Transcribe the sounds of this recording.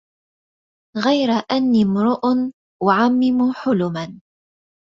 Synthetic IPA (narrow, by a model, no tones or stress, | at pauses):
ɣajɾaʔanːiːmʊɾʊʔn | waʕamːɪmʊħʊlʊman